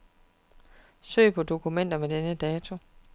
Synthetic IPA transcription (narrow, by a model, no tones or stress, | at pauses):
sø̰ːpʰɒ̽d̥o̝kʰumen̰d̥ɐmed̥enəd̥ɛːt͡sʰo̝